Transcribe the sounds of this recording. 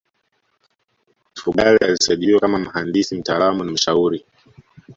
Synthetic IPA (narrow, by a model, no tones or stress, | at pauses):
mfuɠalɛjalisajɗiiwɔkamam̩handisim̩taːlamunam̩ʃauɾi